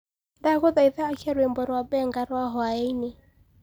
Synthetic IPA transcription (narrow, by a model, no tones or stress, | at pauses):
ndakɔðaiðaːkiaɾwɛmbɔɾabɛŋɡaɾwaɦɔaɛine